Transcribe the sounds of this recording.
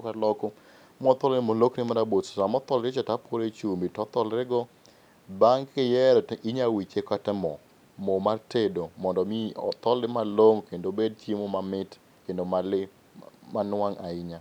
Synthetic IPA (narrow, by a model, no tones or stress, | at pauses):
kalɔko | mɔt̪ɔlnɪmoloknɪmaɾabotssamɔt̪ɔlɾɪt͡ʃatapoɾet͡ʃumbitɔt̪ɔlɾɪɡɔ | baŋkɪjɛɾiɲawit͡ʃekatɛmɔ | momartedomɔndɔmiɔ̰t̪ɔlɪmaloŋkendobed̚tjemomamɪt | kendomalɪ | manwaŋaɪɲa